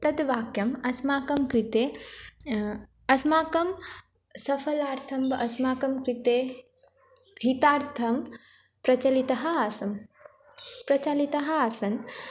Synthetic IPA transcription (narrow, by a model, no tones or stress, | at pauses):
t̪ɐd̪ʋaːkjɐmɐsmaːkɐmkɾit̪eː | ɐsmaːkɐm | sɐfʰɐlaːɾt̪ʰɐmbɐʔɐsmaːkɐmkɾit̪eː | ɦit̪aːɾt̪ʰɐm | pɾɐt͡ʃɐlit̪ɐɦɐaːsɐm | pɾɐt͡ʃaːlit̪ɐɦɐaːsɐn